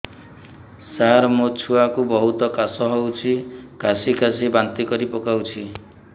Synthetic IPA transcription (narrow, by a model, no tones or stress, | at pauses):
saɾmot͡ʃʰuakubɔɦut̪ɔkasɔɦɔwt͡ʃʰikasikas̬ibant̪ikɔɾipɔkawt͡ʃʰi